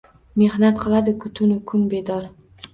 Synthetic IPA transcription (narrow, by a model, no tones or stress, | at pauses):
me̞hnat̪̚qʰɨlˠad̪ɪkʰʊt̪ʰʊnʊkʰʊnbe̞d̪ɒɾ